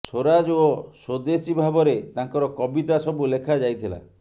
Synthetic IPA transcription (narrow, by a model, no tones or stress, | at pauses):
soɾad͡ʒosod̪esibʱabɔɾet̪aŋkɔɾɔkɔbit̪asɔbulekʰad͡ʒajt̪ʰila̰